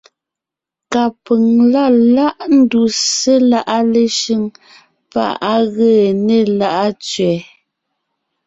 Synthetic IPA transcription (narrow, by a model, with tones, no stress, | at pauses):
ka˨pə˨ŋla˦˨la˦ʔn̩˦du˨se˦la˦ʔa˦le˨ʃi˦˨ŋ | pa̰˦˨ʔa˦ɣəː˦˨ne˨la˦ʔa˦t͡sɥɛː˨